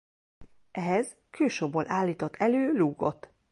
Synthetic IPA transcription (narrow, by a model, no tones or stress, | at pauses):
ʔɛɦɛz | kʰøːʃoːboːlʔaːlːiːt̪ot̪ːʰɛløːluːɡo̞̰t̪